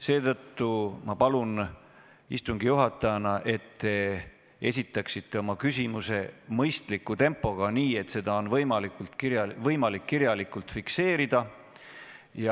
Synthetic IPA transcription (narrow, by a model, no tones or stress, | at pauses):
se̞ːt̪ɤt̪ːumɑpɑlun | ḭst̪uŋɡijuɦɑt̪ːˑɑjɑnɑʔe̞t̪ːe̞ | e̞̰s̬ʲit̪ːˑɑksit̪ːe̞o̞mɑkysʲimuse̞mɤjst̪likːˑut̪e̞mpːˑo̞ɡ̥ɑniːe̞t̪se̞d̪̥ɑo̞nvɤjmɑlikult̪kiɾjɑvɤjmɑlikːiɾjɑlikult̪fikse̞ːɾid̪̥ɑ | jɑ